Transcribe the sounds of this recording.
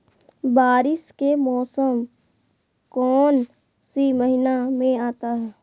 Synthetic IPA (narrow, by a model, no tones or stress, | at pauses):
baːɾɪskemɔːsəm | kɔːn | siməɦɪnamẽaːt̪aɦɛː